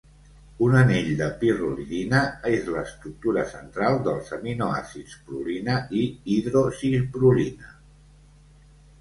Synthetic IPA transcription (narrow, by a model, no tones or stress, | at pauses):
unəneʎd̪əpiruʎinəezləːst̪ɾuk̚t̪uɾəsənt̪ɾalˠd̪əlˠsəminoa̰sispɾulinəiiðɾosizbɾulinə